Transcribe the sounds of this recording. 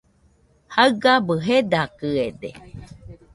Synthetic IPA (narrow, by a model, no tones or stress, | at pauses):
haɨɡabɨɦed̪akɨed̪ḛ